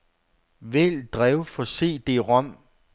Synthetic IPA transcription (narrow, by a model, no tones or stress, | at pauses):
ʋeld̥ʁɛʊfɒ̽se̝̰ːd̥e̝ʁɒm̰